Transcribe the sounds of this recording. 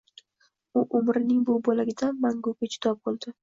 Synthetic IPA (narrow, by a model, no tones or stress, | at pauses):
ʊʔʊmɾɪnɪŋbʊbɒlaɡʲɪd̪anmaŋɡʊkɪt͡ʃʰɪ̥t̪ʰɒp̚bolˠd̪ɪ